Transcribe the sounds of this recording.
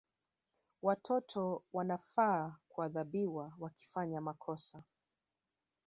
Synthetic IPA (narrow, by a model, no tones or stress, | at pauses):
watʰɔtʰɔwanafaːkuaðaɓiwawaki̥faɲamakʰɔsa